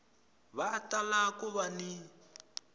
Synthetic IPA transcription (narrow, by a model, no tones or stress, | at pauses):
βatalakuβani